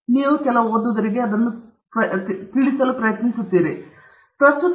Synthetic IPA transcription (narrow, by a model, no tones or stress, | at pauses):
niːʋukɛlɐoːd̪uʋd̪ɐɾiɡeɐd̪ɐnːu | pɐt̪iɭisɐlupɾɐjɐt̪nisut̪ːiːɾi | t̪ɐsut̪